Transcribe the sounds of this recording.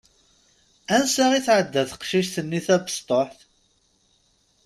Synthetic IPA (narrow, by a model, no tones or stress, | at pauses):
ænsæʁiθʕəd̪ːæθqʃiʃθənːiθæðəst̪ˤoħθ